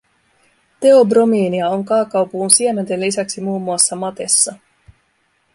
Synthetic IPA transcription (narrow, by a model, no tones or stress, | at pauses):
t̪e̞o̞bro̞miːniɑo̞ŋkɑːkɑwpuːnsiemænt̪e̞llisæksimuːmːuɑsːɑmɑt̪e̞sːɑ